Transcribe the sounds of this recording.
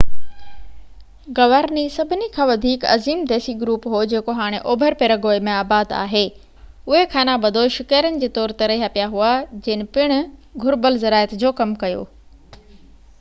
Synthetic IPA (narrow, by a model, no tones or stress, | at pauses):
ɡɐʋaːɾnisɐbʱɪnikʰãːʋɐd̪ʱiːkɐ̰ziːmd̪ɛːsiɡɾuːpɦod͡ʑeːkoɦaːɽ̃eʔoːbʱəɾpeːɾəɡoːemẽaːbaːd̪a̰ːɦeː | ʊɦekʰaːnabɐd̪ʱoʃɪkaːɾənɪ̆d͡ʑeːt̪ɔːɾt̪ɐɾəeɦaːpijaɦuad͡ʑɐːnɪ̆pɪɽ̃ʊ̆ɡʱʊɾbəlzɐɾaːjət̪d͡ʑoːkɐmkɐjo̰ː